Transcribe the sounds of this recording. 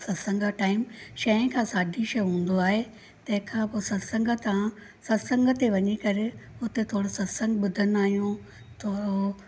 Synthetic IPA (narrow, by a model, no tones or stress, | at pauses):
sɐsɐ̃ŋɡaʈaːɪmʃɐɪ̃kʰãːsaːdʱiʃɐjɦũːn̆d̪oaːɦe | t̪ɐ̃ɦɪ̃kʰãːpoːsɐsɐ̃ŋɡət̪ɐã | sɐsə̃ŋɡət̪eʋɐɲikɐɾɪʊt̪et̪ʰoːɽosɐtsɐ̃ŋɡɓʊd̪ʱənʊaːɦijũ | t̪ʰoːo